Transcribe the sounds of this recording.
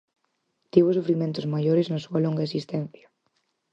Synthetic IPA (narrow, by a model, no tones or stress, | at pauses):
t̪iβosufɾimẽnt̪ozmajoɾeznasualõŋɡaesist̪ɛ̃n̟θja